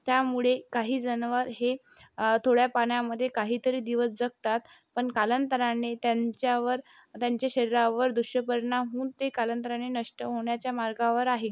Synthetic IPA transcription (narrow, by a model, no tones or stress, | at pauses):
t̪jamuɭekaɦiːd͡zənʋəɾɦet̪ʰoɽjapaɳjaməd̪ʱːjekaɦiːt̪əɾiːd̪iʋəsd͡zək̚t̪at̪ | pəɳkalənt̪əɾanet̪jaɲt͡ɕjaʋəɾ | t̪jaɲt͡ɕjaɕəɾiɾaʋəɾd̪uɕjəpəɾnaɦũːt̪ekalənt̪əɾanenəʂʈəɦoɳjat͡ɕjamaɾɡaʋəɾaɦi